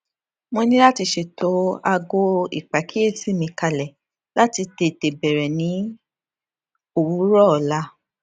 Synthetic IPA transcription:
mõ˧nĩ˦la˦ti˧ʃe˨tʰo˨˦a˧ɡo˧˦ḭ˨k͡pa˨kʰi˦e˦˨si˦mĩ˧ka˧lɛ˨ | la˦ti˧te˧˨te˨bɛ˨ɾɛ˨nĩ˨˦ | o˨wu˨˦ɾɔ˦˨la˦

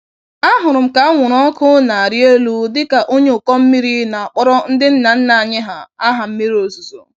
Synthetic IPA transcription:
a˦ɦʊ˨ɾʊ˨m̩˨ka˨˦ŋʷʊ˨ɾɔ˦kʰʊ˦na˨a˨ɾje˦lu˦dɪ˦ka˨ʔo˦ɲe˦ʊ˨kɔ˦m̩˦mi˦ɾi˦na˨a˨k͡pɔ˦ɾɔ˦n̩˦dɪ˦n̩˦na˨n̩˦na˨a˨ɲɪ˦ɦa˨a˦ɦa˨m̩˦mi˦ɾo˨su˨so˨

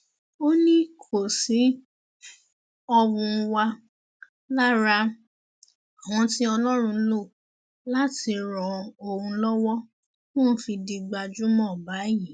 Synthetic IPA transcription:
o˦nĩ˦kʰo˦˨si˨˦ | ɔ˧wũ˧wa˧ | la˦ɾa˧ | a˨wɔ̃˧˦ti˦ɔ˧lɔ˦ɾ̃ũ˧˦lo˦˨ | la˦ti˧ɾɔ̃˨o˨wũ˧˦lɔ˦wɔ˦ | mɔ̃˦fi˧di˧ɡ͡ba˧d͡ʒu˦mɔ̃˦˨ba˨˦ji˨˦

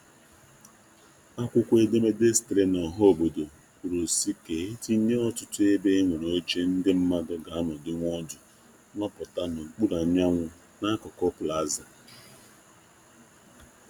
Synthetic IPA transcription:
a˦kʷʊ˦kʷe˦de˦me˦de˦stɾe˦na˨ɦɔ˦o˦˨bo˨do˨ | kʷu˨ɾo˨si˦ke˨e˦ti˦ɲe˦ɔ˦tʊ˦tʊ˦e˦be˦ŋʷe˨no˨˦t͡ʃe˦n̩˦dɪ˦m̩˦ma˦ɡa˦ɡa˨a˦mʊ˨dɪ˦ŋʷ˦ɔ˦dʊ˨˦ | nɔ˦pʊ˨ta˦nʊ˨ŋ͡m̩˨k͡pu˦ɾa˨ɲ˦a˦ŋʷʊ˦ | na˦kɔ˨kɔ˦pʊ˨la˨˦za˨

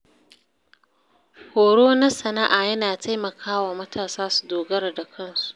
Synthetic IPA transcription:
hoː˨ɽoː˦nɐ˦sɐ˨na˦ʔaː˨jɐ˦naː˨tʰa˦jmɐ˨kʰaː˦waː˨mɐ˦tʰaː˨saː˦su̥˨doː˨ɡɐ˦ɾa˨da˨kʰɐ˦˨nsu̥˨ʔ

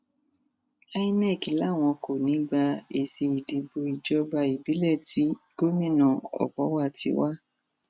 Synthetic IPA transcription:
a˧i˦nɛ˦˨ki˨la˦˨w̃ɔ̃˧ko˨nĩ˨˦ɡ͡ba˧e˧se˧i˨di˧bo˧i˨d͡ʒɔ˧ba˧i˨bi˨˦lɛ˦˨ti˨˦ɡ̥o˦mĩ˦˨nã˨ɔ̰˨kɔ˨˦wa˦˨tḭ˧˦wa˦

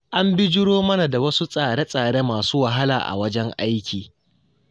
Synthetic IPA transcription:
ʔa˦mbɪ˦d͡ʒɪ˦ɽoː˦mɐ˦na˨da˨wɐ˦su˦sʼaː˨ɽe˦sʼaː˨ɽe˦maː˨suː˦wa˨ɦa˦la̰ː˨ʔa̰˨wɐ˦d͡ʒɛ˦ŋʔa˦jkʲʰiː˨

